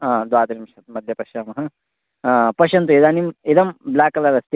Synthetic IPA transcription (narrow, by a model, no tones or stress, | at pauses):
aːd̪waːt̪ɐɾimʂɐt̪mɐd̪ʱjɐpɐʃaːmɐɦɐ | pɐʃɐnt̪uid̪aːnimid̪ɐmblaːkɐlɐɾɐst̪i